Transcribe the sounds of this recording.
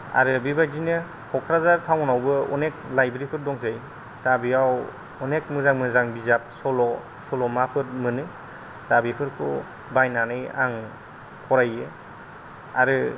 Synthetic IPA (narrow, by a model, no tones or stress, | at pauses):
a̰ɾɯbibazinɯ | kʰɔkʰɾazaɾtʰawnawbɯɔ̰nek̚lajbɾipʰɯɾdɔŋzaj | d̥abiaw | ɔnek̚mɯzaŋmɯzaŋbizap̚sɔlɔ | sɔlɔmapʰɯɾmɯnɯ | dabipʰɯɾkʰṵ | bajnanɯja̰ŋ | pʰɔɾajɯ | a̰ɾɯ